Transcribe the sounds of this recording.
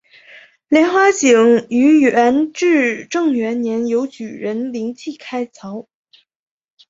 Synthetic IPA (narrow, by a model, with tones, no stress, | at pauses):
ljɛ˧˥nxwa˧˥t͡ɕi˨˩ŋy˧˥ə˧˥nʈ͡ʂɻ̩˥˩ʈ͡ʂɤ˥˩ŋɥɛ˧˥nnjɛ˧˥njo˧˥ʊt͡ɕy˨˩ɻə˧˥nli˧˥ŋt͡ɕʰi˥˩kʰa˥ɪt͡sʰɑ˧˥ʊ